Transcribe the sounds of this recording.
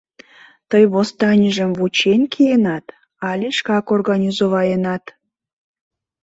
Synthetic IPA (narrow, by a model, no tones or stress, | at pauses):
t̪əjβost̪ɑnʲəʒəmvut͡ɕenʲkʰijenɑt̪ | ɑlʲeʃkɑkorɣɑnʲizoβɑjənɑt̪